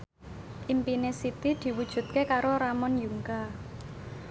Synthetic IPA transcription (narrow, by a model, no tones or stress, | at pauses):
ʔimpinesit̪id̪̥i̤wud̥ʒ̥ṳt̪̚kekaɾoɾamɔnjuŋka